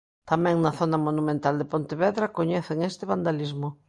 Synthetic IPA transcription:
t̪amɛ̃ŋnɐθonɐmonumẽnt̪ald̪epont̪eβɛðɾakoɲeθeŋest̪ɪβand̪alizmo

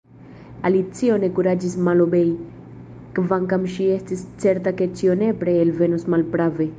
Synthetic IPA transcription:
alit͡sio̞ne̞kuɾad͡ʒismalobej | kvaŋkamʃie̞stist͡se̞ɾtake̞t͡ʃione̞pɾeelve̞nusmalpɾave̞

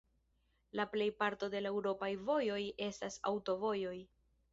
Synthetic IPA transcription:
laple̞jpaɾto̞de̞laewɾo̞pajvo̞jo̞je̞stasa̰wto̞vo̞jo̞j

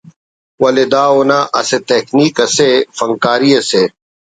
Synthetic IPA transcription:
wɐled̪aːonaːʔɐset̪ekniːkɐsefɐŋkaːɾiɐse

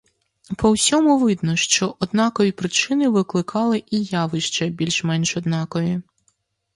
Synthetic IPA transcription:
pɔwsʲɔmʊʋɪd̪nɔʃt͡ʃɔʔɔd̪nɑkɔʋʲipɾɪt͡ʃɪnɪʋɪklˠɪkʰɑlˠɪʔijɑʋɪʃt͡ʃɛbʲilʲʃmɛnʃɔd̪nɑkɔjʲi

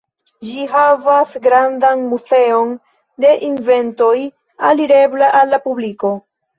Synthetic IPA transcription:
d͡ʒiɦavasɡɾandanmuze̞o̞n | de̞ʔinve̞nto̞j | aliɾe̞bleʔalːapubliko̞

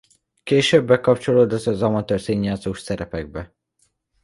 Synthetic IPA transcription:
keːʃøbːɛkɒpt͡ʃo̞loːd̪ɒzɒzɒmɒt̪øːrseːɲːaːt̪zoːʃsɛɾɛpɛɡ̚bɛ

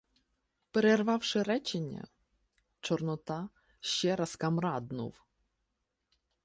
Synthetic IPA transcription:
peɾerʋɑwʃɪɾɛt͡ʃenʲːɐ̰ | t͡ʃɔrnɔt̪ɑ | ʃt͡ʃɛɾɐskɐmɾɑd̪nṵw

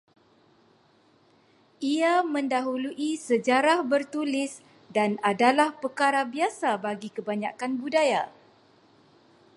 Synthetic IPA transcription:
iamə̃ndaɦuluʔisəd͡ʒaɾahbərt̪ulɪs | danadalahpərkaɾabiasabaɡikəbaɲa̰kanbudaja

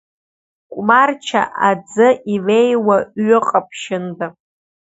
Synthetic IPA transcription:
kʷʼmart͡ʃʰa̰ʔad͡zɨʔilejwaɥʊqʼapʰʃɪnda

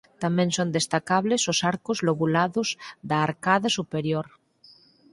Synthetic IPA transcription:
t̪amẽnsond̪est̪akaβlesosaɾkozloɣulaðozd̪aːɾkaðasupeɾjoɾ

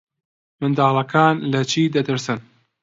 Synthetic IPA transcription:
mɨnd̪ɑːlˠɐkʰaːnlɐt͡ʃʰiːd̪ɐt̪ɨɾsɨn

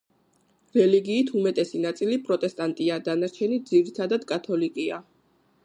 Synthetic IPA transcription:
ɾɛliɡiːt̪ʰumɛt̪ʼɛsinat̪sʼilipʼɾɔt̪ʼɛst̪ʼant̪ʼiad̪anaɾt͡ʃʰɛnid̪ziɾit̪ʰad̪ad̪̥kʼat̪ʰɔlikʼia

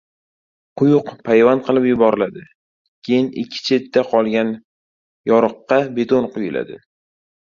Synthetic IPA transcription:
qʰʊjʊqpʰajvanqʰɨlˠɪpjʊbɒɾɪlad̪ɪ | kʲʰejɪnɪ̰kʲʰːɪ̥t͡ʃʰe̞t̪ːaqʰɒlˠɡʲan | jɒɾɨqːɑbe̞t̪onqʊjɪla̰d̪ɪ

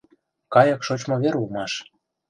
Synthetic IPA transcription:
kɑjɤ̆kʃot͡ɕmoβeɾulmɑʃ

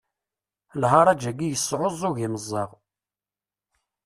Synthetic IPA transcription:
lɦɑɾˤæd͡ʒæɡijəsˤːʕozˤʊʝiməzˤːɑʁ

